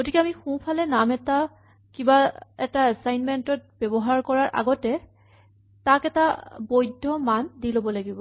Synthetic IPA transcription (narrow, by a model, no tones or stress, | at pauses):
ɡotikɛamixũpʰalɛnamɛta | kibaɛtaɛsajnmɛntɔt̚b̥ɛbɔɦaɹkɔɹaɹʔa̰ɡɔtɛ | takɛtabojdʱːɔmandilobɔlaɡibɔ